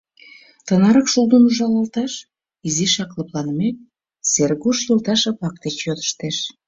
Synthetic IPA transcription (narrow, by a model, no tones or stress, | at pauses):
t̪ənɑɾəkʃulˠd̪ənuʒɑlɑlˠt̪ɑʃ | iziʃɑkləplɑnmek̚ | serɣuʃjɤlt̪ɑʃɑpɑk̚t̪et͡ɕjod̪ə̥ʃt̪eʃ